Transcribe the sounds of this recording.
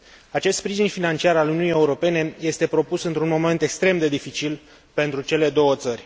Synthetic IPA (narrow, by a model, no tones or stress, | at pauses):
at͡ʃest̪spɾiʒinfinant͡ʃiaɾaluniunije̞uɾo̞pe̞ne̞je̞st̪e̞pɾo̞pusɨnt̪ɾunmo̞me̞nt̪e̞kst̪ɾe̞md̪e̞d̪ifit͡ʃil | pe̞nt̪ɾut͡ʃe̞le̞d̪o̞wət̪sərʲ